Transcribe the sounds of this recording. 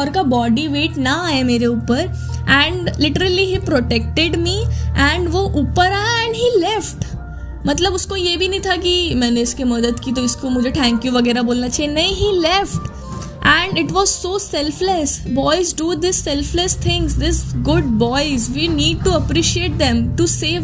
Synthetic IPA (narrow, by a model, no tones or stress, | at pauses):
ɔːɾkabɔːɖiʋeːʈnaaːemeːɾeuːpəɾ | ɛ̃ɳɖlɪʈəɾəliɦiːpɾoʈek̚ʈɪɖmiːɛ̃ɳɖʋoʔuːpəɾaːaɛ̃ɳɖɦiːlɛfʈ | mɐt̪ləbʊskojebʱinɐɦĩt̪ʰakimɛːneɪskemɐd̪əd̪kit̪oɪskomʊd͡ʒʱeʈʰæ̃ŋkjuʋɐɡɛːɾaboːlnat͡ʃʰienɐĩɦilɛfʈ | ʔɛ̃ɳɖɪʈʋɔːzsosɛlflesbɔːɪzɖuːd̪ɪsːɛlflɛst̪ʰɪ̃ŋzd̪ɪsɡʊɖ̚bɔɪzʋiːniːɖ̚ʈuɐpɾiːʃieːʈ̚d̪ɛ̃mʈuseːʋ